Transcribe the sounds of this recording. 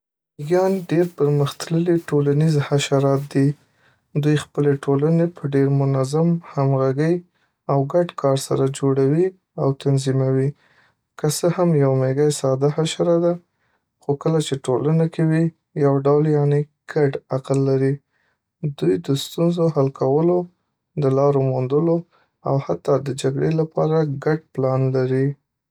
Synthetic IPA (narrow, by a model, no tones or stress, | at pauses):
ɡjɑnɖeɾpəɾməxt̪ləliʈolanizhaʃaɾɑt̪̚d̪i | d̪ujxpəleʈʰolanepəɖeɾmʊnazamhamɣaɡəj | awɡaɖkʰɑɾsaɾad͡ʒoɽawi | awt̪anzimawi | kəsəhamjawmeɡajsɑd̪ahaʃaɾad̪a | xokəlat͡ʃeʈolənakewi | jawɖawljaneɡ̥aɖaqlːaɾi | d̪ujd̪əst̪unzohalkʰawəlo | d̪əlɑɾomond̪əlo | a̰what̪ːɑd̪əd͡ʒaɡɽelapɑɾaɡaɖplɑnlaɾi